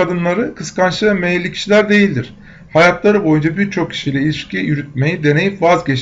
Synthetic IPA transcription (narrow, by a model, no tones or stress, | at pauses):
ad̪ɯnlˠaɾɯkʰɯskʰanʃɯvɛmejlʲːicʰi̥ʃilʲæɾd̪e̞jilʲd̪iɾ̥ | hajat̪lˠaɾɯbo̞jund͡ʒabiɾt͡ʃʰo̞kcʰi̥ʃijlʲɛilʲiʃcʰijyɾyt̪̚me̞jid̪e̞ne̞jipvazɟet͡ʃ